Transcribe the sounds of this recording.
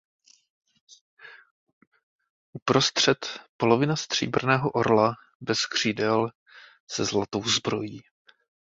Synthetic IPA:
ʔupɾo̞st̪r̝̥ɛt̪po̞lo̞vɪnast̪r̝̥ḭːbr̩nɛːɦoʔoɾla | bɛskr̝̥iːdɛl | sɛzlat̪o̞wzbɾo̞jiː

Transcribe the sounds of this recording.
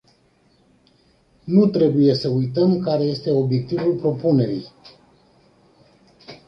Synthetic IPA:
nut̪ɾe̞buje̞səujt̪əmkaɾe̞je̞st̪e̞o̞bje̞k̚t̪ivulpɾo̞pune̞ɾḭj

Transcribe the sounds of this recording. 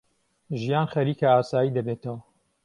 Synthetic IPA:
ʒijaːnxɐɾiːkɐaːsaːjiːd̪ɐbet̪ɐwɐ

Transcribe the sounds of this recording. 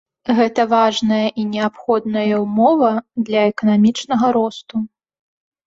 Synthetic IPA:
ɣɛt̪ɐvaʐnɐjɐʔinʲɛapxɔd̪nɐjɐwmɔvɐd̪lʲɐɛkɐnamʲit͡ʂnɐɣɐɾɔst̪u

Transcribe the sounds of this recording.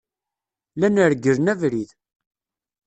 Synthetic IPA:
lænəɾɡəɾnævɾið

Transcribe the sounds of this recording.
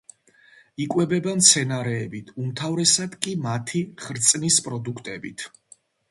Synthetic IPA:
ikʼwɛbɛbamt̪sʰɛnaɾɛːbit̪ʰumt̪ʰavɾɛsad̪kʼimat̪ʰiχɾt̪sʼnispʼɾɔd̪ukʰt̪ʼɛbḭt̪ʰ

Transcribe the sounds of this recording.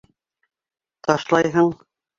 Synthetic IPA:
t̪ɒʃlˠɑjɦɤɴ

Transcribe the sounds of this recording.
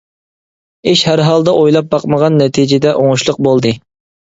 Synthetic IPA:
eʃhæɾɦɑlˠd̪ɑʔojlˠɑp̚bɑqməʁɑnːɛt̪ʰid͡ʒɪd̪ɛʔoŋʊʃlˠʊq̚bolˠd̪ɨ

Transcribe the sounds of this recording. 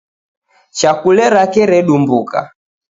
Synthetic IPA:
t͡ʃakulɛɾakɛɾɛɗumbuka̰

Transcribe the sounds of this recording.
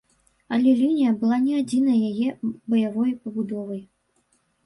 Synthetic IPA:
ɐlʲɛlʲinʲijɐbɨlˠanʲɛad͡zʲin̪ɐjjajɛbɐjavɔjpɐbud̪ɔvɐj

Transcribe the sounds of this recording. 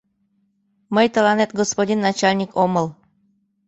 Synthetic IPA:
mɤjt̪ɤ̆lɑnet̪ɡospodʲinːat͡ɕalʲnʲikʰomɤ̆lˠ

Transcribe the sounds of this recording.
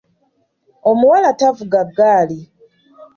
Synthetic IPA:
o̞muwalatavuɡaɡːaːli

